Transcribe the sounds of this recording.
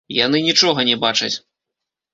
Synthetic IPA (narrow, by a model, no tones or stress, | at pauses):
ja̰n̪ɨnʲit͡ʂɔɣɐnʲɛbat͡ʂɐ̰t͡sʲ